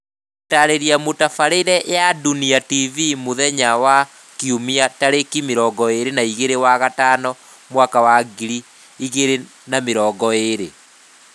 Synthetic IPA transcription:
taɾeɾiamotafaɾeiɾɛjaduniativimoðɛɲawa | kiumiataɾekimeɾɔːɡɔeɾenaiɣeɾewaɣataːnɔ | mwakawaɡiɾi | iɣeɾe | nameɾɔːɡɔeɾe

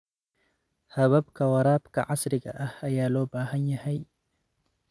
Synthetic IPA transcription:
hɐβɐbkɐwɐɾaːbkɐ̰ʕasɾɪɡɐ̰ʔɐhɐjaːlɔːbaːɦɐɲjɐhɐj

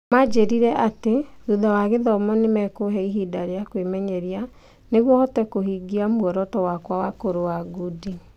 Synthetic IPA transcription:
mad͡ʒeɾiɾɛʔateðuðawaɣeðɔmɔnemɛkoɦɛiɦidaɾeakwemɛɲɛɾia | neɣwɔhɔtɛkohiɡiamwɔɾɔtɔwakwawakoɾoaɡudi

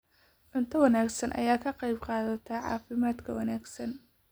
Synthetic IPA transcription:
ʕʊnt̪ʰɐwɑnaːɡsɐnʔɐ̰jaːkʰɐqɑjbqɑːðɐt̪ʰɐʕɑ̰ːfɪmaːd̪kʰɐwɑnaːɡsɐn

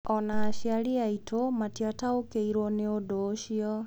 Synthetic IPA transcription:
ɔnaːʃiaɾiaitʰomatiataokeiɾwɔneodoːʃiɔ

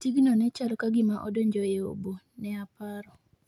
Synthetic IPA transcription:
tiɡnɔnɛt͡ʃalɔkaɡɪmaʔɔ̰doɲd͡ʒɔjeo̰bo | nɛapaɾɔ

